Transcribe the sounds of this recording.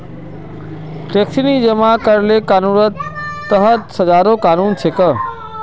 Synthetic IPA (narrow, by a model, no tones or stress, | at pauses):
ʈeːksinid͡ʒəmãkəɾlekaːnuːɾət̪ːəɦət̪sɐd͡ʒaːɾokaːnuːnt͡ʃʰekə